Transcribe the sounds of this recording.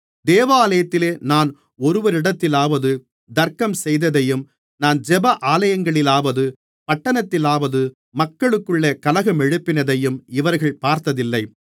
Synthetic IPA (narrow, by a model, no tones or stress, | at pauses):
d̪eːʋaːlɐjɐt̪ːɪleːnaːn | ɔɾɯʋɐɾɪɽɐt̪ːɪlaːʋɐðɯ | d̪ɐɾkɐmsɛjðɐðɐjɯm | naːnd͡ʒɛbɐʔaːlɐjɐŋɡɐɭɪlaːʋɐðɯ | pɐʈːɐnɐt̪ːɪlaːʋɐðɯ | mɐkːɐɭɯkːɯɭːɐkɐlɐɣɐmɛɻɯpːɪnɐðɐjɯmɪʋɐɾɣɐɭpaːɾt̪ɐðɪlːɐɪ